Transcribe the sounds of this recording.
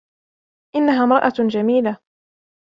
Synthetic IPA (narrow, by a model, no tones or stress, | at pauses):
ʔɪnːaɦaːmɾˤɑʔad͡ʒamiːla